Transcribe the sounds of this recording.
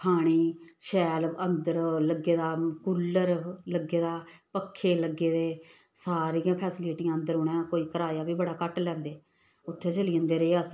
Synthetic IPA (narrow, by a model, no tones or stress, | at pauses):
kʰaːɽ̃iːʃɛːlənd̪əɾləɡːeːd̪aːkuːlːəɾləɡeːd̪aːpəkʰːeːləɡːeːd̪eːsaːɾiːjãːpʰɛːsɪliːʈijãːənd̪əɾɦʊɳẽkoːiːkəɾaːjaːbiːbəɽaːkəʈlɛ̃ːnd̪eː | ʊt̪ʰːeːt͡ʃəliːənd̪eːɾeeːəs